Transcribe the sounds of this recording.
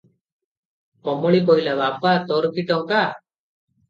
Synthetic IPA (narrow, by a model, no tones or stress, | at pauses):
kɔmɔɭikɔjlabapat̪ɔɾkiʈɔŋka